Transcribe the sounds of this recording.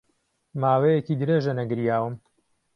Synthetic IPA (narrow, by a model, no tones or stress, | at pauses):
maːwejekid̪ɨɾeʒɐnɐɡɨɾjaːwɨm